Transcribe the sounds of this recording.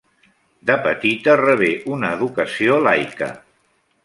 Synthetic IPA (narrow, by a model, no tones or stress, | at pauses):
d̪əpət̪it̪ərəβ̞eʔunəːðukəsiolajkə̰